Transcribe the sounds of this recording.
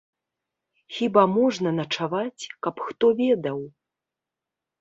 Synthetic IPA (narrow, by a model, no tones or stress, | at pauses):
xʲibamɔʐnɐnɐt͡ʂavat͡sʲkɐpxt̪ɔvʲɛd̪ɐw